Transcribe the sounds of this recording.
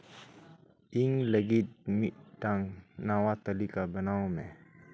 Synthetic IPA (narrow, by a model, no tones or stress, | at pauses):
ʔiŋləɡitmiʔdaŋnawat̪əlikabənawmɛ